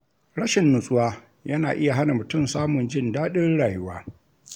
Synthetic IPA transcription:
ɽɐ˦ʃɪ˨nːʊ˨sʼʊ˦waː˦ | jɐ˦naː˨ʔɪ˦ja˨ɦa˦na˨mʊ˨tʊ˦˨msaː˦mʊ˨nd͡ʒɪ˦ndaː˦ɗɪ˦rɽaː˨jʊ˦wa̰ː˦

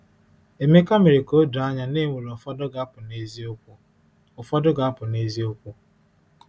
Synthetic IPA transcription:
e˨me˦ka˦mi˨ɾi˨ko˦du˨a˦ɲa˨ne˦˨ŋe˨lɔ˨fdɔ˦ɡa˦pʊ˨ne˦z | ʊ˨fɔ˦dʊ˦ɡa˨a˦pʊ˨ne˦zi˦o˦kʷu˦

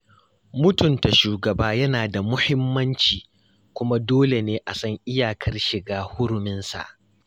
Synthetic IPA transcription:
mʊ˦tʊ˨nta˨ʃuː˨ɡɐ˨baː˦jɐ˦naː˨da˨mʊ˦hɪ˦mːɐ˦nt͡ʃiː˨ | kʷʊ˦ma˦doː˦le˨neː˦ʔa˨sɐ˦ŋʔɪ˦jaː˨kʰɐ˦rʃɪ˨ɡaː˦hʊ˦ɽʊ˨mɪ˦nsa̰˨ʔ

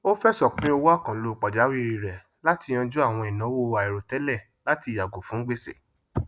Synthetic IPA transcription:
o˦fɛ˦sɔ˨k͡pĩ˦o˧wa˦˨kã˨lo˨k͡pɔ˨d͡ʒa˨˦wi˦˧ɾi˧ɾɛ˨ | la˦tĩ˧ɔ̃˧d͡ʒu˦a˦˨w̃ɔ̃˧ɛ˨nã˨˦wo˦a˨i˨ɾo˨tɛ˨˦lɛ˦˨ | la˦ti˧˨ja˨ɡo˨fũ˨˦ɡ͡be˦sḛ˦˨

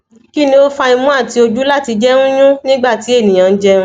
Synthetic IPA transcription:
ki˦nĩ˧o˦fa˧ĩ˧mũ˦a˦˨ti˨˦o˧d͡ʒu˦la˦˨ti˧d͡ʒɛ˦nũ˦jũ˦nĩ˦ɡ͡ba˦˨ti˨˦e˦˨nĩ˨j̃ã˨˧˦d͡ʒɛ˦ũ˦

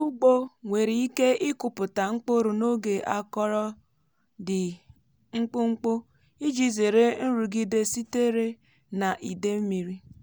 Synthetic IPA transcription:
u˦ɡ͡bo˦ŋʷe˨ɾi˨i˦ke˦ɪ˦kʊ˨pʊ˨ta˨ŋ͡m̩˦k͡po˦ɾu˨no˦ɡe˨ʔa˦kɔ˦ɾɔ˦ | dɪ˨ | ŋ͡m̩˦k͡pu˦ŋ͡m̩˦k͡po˦ | i˦d͡ʒi˨ze˨ɾe˦n̩˦ɾu˨ɡi˦de˦si˦te˦ɾe˦ | na˨ʔi˨de˦m̩˦mi˨ɾi˦

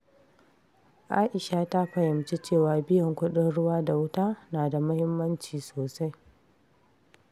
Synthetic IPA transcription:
ʔaː˦ʔɪ˨ʃa˨ta˦ɸɐ˨jɪ˨mt͡ʃe˦t͡ʃeː˦˨waː˨bɪ˦jɔ˨ŋkʷʊ˦ɗɪ˦nɽʊ˦waː˦da˨wʊ˦taː˦naː˨da˨mʊ˦hɪ˦mːɐ˦nt͡ʃiː˨soː˨sa˦j

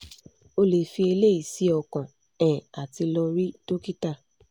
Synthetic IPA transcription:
o˧le˨fi˧e˧le˦i˨si˨˦ɔ˧˨kã˨ | ɛ̃˨a˨ti˧lɔ˧ɾi˦to˦ki˦ta˦˨

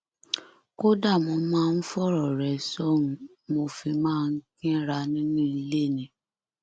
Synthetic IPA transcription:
ko˦da˦˨mõ˧˦mãː˦˧n̩˦fɔ˦˨ɾɔ˨ɾɛ˨sɔ˦nũ˨ | mo˧fi˧mãː˦˧n̩˦kĩ˦ɾa˧˦nĩ˦nũ˦i˧le˦˨nĩ˨˦

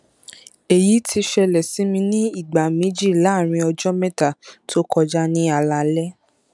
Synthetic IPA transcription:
e˨ji˨˦tʰi˧ʃɛ˧lɛ˨si˨˦mĩ˧nĩ˦i˦˨ɡ͡ba˨mĩ˨˦d͡ʒi˦˨la˨˦˨ɾ̃ĩ˧ɔ˧d͡ʒɔ˦mɛ̃˦ta˨tʰo˦kɔ˧d͡ʒa˦nĩ˦a˧la˧lɛ˦

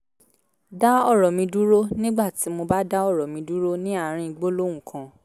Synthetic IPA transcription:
da˦ɔ˦˨ɾɔ˨mĩ˧du˦ɾo˦nĩ˦ɡ͡ba˦˨ti˨˦mo˧ba˦da˦ɔ˦˨ɾɔ˨mĩ˧du˦ɾo˦nĩ˦a˦˨ɾ̃ĩ˧i˧ɡ͡bo˦lo˦wũ˦˨kʰã˧˦

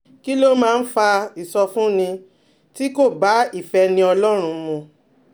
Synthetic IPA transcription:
ki˦lo˦mãː˦˧n̩˦fa˧i˨sɔ˧fũ˦nĩ˧ | ti˦ko˦˨ba˨˦i˦˨fɛ˧nĩ˧ɔ˧lɔ˦ɾ̃ũ˧mũ˧

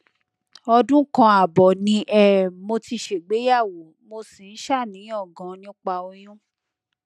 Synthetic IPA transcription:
ɔ˧dũ˦kã˧a˨bɔ˨nĩ˧˦ʔɛ˦˨mo˧ti˧ʃe˨ɡ͡be˨˦ja˦˨wo˨˦mo˧si˨n̩˦ʃa˦˨nĩ˨˦ɔ˦˨ɡã˨nĩ˦k͡pa˧o˧j̃ũ˦

